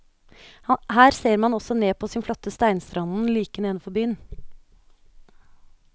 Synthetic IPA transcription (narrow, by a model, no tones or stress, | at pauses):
hæːɾseːɾmɑnɔsɔneːpʰoːsɪːnflɔt̪ːəst̪æɪnst̪ɾɑnn̩liːkəneːnəfɔbyːn